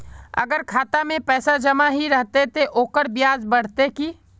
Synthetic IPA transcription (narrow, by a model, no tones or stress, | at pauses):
ɐ̰ɡəɾkʰaːt̪amẽpɛːsad͡ʒɐmaɦiɾɐɦt̪et̪ʰeʔoːkəɾbjaːzbɐɽ̤t̪ekiː